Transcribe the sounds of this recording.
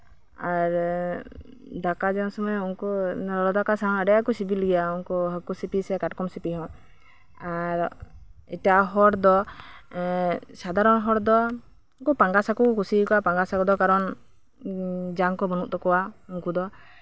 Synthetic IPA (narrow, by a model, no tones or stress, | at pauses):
aɾ | d̪akad͡ʒɛɔ̃sɔmɔunkunɾɔlɔd̪akasaɦɔ̃ŋəɖɛjakusibilɡɛjaunkuɦəkusipisɛkaʈkɔmsipiɦɔ̃ | aɾitaʔaɦɔɾd̪ɔ | sad̪aɾɔnɦɔɽd̪ɔ | ukupaŋɡasakukusikɔwapaŋɡasakɔd̪ɔkaɾɔn | d͡ʒaŋkɔbɔnuʔt̪ɔkɔwaunkud̪ɔ